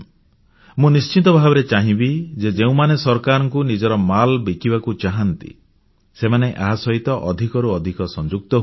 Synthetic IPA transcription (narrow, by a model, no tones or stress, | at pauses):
mũnist͡ʃit̪ɔbʱabɔɾet͡ʃaɦĩbid͡ʒed͡ʒeũmanesɔɾkaɾɔŋkunid͡ʒɔɾɔmalbikibakut͡ʃaɦant̪ḭ | semaneʔaɦasɔɦit̪ɔʔɔd̪ʱikɔɾuɔd̪ʱikɔsɔnd͡ʒuk̚t̪ɔɦ